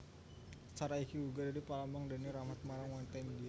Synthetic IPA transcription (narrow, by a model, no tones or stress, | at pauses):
ə̥t͡ʃaɾaikiuɡadaɾipalambaŋdaniɾahmat̪̚maɾaŋwant̪andi